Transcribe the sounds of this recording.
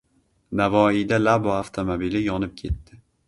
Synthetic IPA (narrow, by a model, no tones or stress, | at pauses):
navɒijd̪alaboaft̪ʰomobilɪjɒnɪp̚kʲʰe̞t̪ːɪ